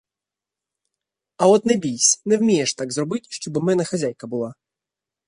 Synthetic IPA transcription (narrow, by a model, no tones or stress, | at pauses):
ɐɔt̪nɛbʲijsʲnɛwmʲijɛʂt̪aɡzrɔbɪtʲʃt͡ʃɔbɨmɛnɐxɐzʲajkɐbʊlˠa